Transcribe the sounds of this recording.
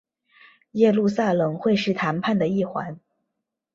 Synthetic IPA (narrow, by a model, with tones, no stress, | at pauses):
jɛ˥˧lu˥˧sa˥˩lɤ˨˩ŋxwe˥˧ɪʂɻ̩˥˩t̪ʰa˧˥npʰa˥˩nd̪ə˩i˥˩xwa̰˧˥n